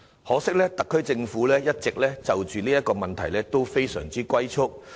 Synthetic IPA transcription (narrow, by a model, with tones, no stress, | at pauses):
hɔː˨˥sɪ˥k̚lɛː˥t̪ɐ˨kʰːɵ˥ɥt͡sɪ˧ŋfuː˨˥lɛː˥jɐ˥t̚t͡sɪ˨k̚lɛː˥t͡sɐ˨wt͡ʃyː˨niː˥jɐ˥tkɔː˧mɐ˨nt̪ʰɐ˨˩jlɛː˥t̪o˥wfe˥jsœː˨˩ŋt͡siː˥kʷwɐ˥jt͡sʰʊ˥k̚